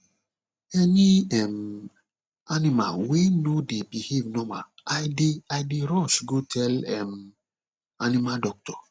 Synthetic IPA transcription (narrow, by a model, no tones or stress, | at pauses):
ɛniɛm | anima̰wenodebihevnɔ̃ma̰aɪdeadeɾɔʃɡotʰɛlɛm | animadɔk̚tɔ̥